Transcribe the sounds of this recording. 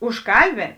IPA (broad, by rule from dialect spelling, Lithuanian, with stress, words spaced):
ʊʃˈkɐlʲˌbʲeːn